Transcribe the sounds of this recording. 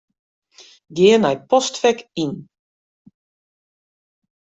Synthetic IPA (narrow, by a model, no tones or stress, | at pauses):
ɡɪənɛjpɔstfɛkin